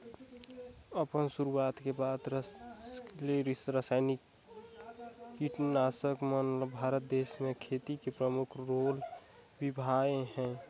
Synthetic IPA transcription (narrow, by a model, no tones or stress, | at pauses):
əpənsuɾuat̪kebaːd̪ɾə | leɾisɾəsaːɪnik | kiʈnasəkmənbʱaɾət̪̚d̪eːsmẽkʰet̪ikepɾəmukʰɾoːlbibʱaeɦɛ̃